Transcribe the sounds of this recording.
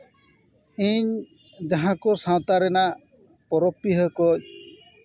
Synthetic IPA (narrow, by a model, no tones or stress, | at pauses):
iɲ | d͡ʒaɦãkosãt̪aɾɛna | pɔɾɔpːiɦɔkɔɲ